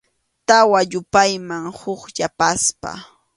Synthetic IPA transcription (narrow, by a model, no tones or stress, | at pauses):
t̪awaʎʊpajmaŋhʊkʎapaspa̰